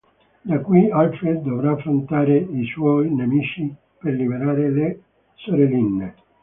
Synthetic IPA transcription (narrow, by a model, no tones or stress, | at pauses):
d̪akːuialfɾed̪̚d̪ovɾaːfɾont̪aːɾeiswɔjnemit͡ʃi | perlibeɾaːɾele | soɾelinːe